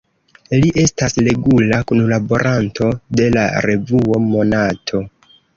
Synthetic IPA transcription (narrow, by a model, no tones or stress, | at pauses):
liʔe̞stasle̞ɡulakunlabo̞ɾʔantʰo̞de̞la̰ɾe̞vuo̞mo̞natʰo̞